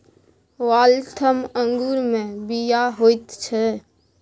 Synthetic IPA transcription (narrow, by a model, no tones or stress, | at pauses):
ʋaːlt̪ʰəmə̃ŋɡuːɾmẽbijaɦoɪt̪t͡ʃʰɛ